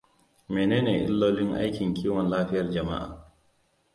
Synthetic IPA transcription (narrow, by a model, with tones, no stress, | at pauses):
meː˨neː˦neː˨ʔɪ̰˦lːoː˦lɪ˦ŋʔa̰˦jkʲɪ˨ŋkʲʰiː˦wɔ˨nlaː˦ɸɪ˦jɐ˨rd͡ʒɐ˨ma̰˦ʔa̰ː˨